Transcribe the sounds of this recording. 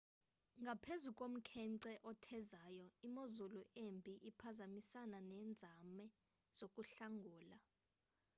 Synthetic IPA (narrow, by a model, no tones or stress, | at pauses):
ŋɡʱapʰezukʼom̩kʰɛŋǀɛʔɔtʰɛzaːjɔimozuluʔembʱiʔipʰazamisananɛːnd͡zʱamɛ | z̥okʼuɬaŋɡʱuːla